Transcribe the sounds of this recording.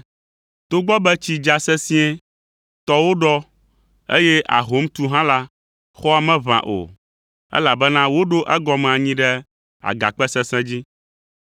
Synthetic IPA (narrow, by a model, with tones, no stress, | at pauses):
t̪o˦ɡ͡bɔ˦bɛ˦t͡ɕi˦d͡ʒa˨sɛ˦sĩ˦ɛ̃˦ | t̪ɔ˦wo˦ɖɔ˦ | ḛ˦jɛ˦ʔa̰˨ɦo˦m˦t̪u˦ɦã˦la˦ | xɔ˦a˨mɛ̃˦vã̰˨ʔo̰˨ | ɛ̰˦la˨bɛ˦nã˦wo˦ɖo˦ʔɛ˦ɡɔ˨mɛ̃˨a˨ɲĩ˦ɖɛ˦ | a̰˨ɡa̰˨k͡pɛ˦sɛ̃˦sɛ̃˦d͡ʑi˦